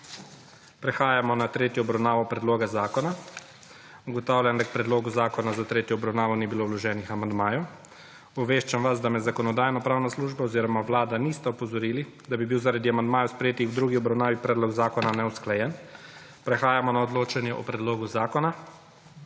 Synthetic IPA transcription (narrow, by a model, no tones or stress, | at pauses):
pɾɛxaːjamɔnat̪ɾeːt̪jɔːbɾawnaːʋɔpɾɛd̪loːɡazaːkɔna | uɡɔt̪aːwlʲjand̪ak̚pɾɛd̪loːɡuzaːkɔnazat̪ɾeːt̪jɔːbɾawnaːʋɔnibiloːwlɔʒɛːnixamand̪maːjɔ | ɔʋeːʃt͡ʃamʋasd̪amɛzakɔnɔd̪aːjnɔpɾaːwnasluːʒbaɔziːɾɔmaʋlaːd̪anist̪ɛɔpɔzɔɾiːli | d̪abibiwzaɾad̪iamand̪maːjɔspɾɛjeːt̪ixwd̪ɾuːɡiɔbɾawnaːʋipɾɛːd̪lɔɡzaːkɔnanɛusklajɛn | pɾɛxaːjamɔnaɔd̪loːt͡ʃanjɛʔɔ̰pɾɛd̪loːɡuzaːkɔna